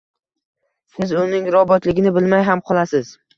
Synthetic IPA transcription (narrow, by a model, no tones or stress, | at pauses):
sɪzʊnɪŋɾɒbɒt̪lɪɡʲɪnɪbɪlmajɦamqʰɒlˠasɪz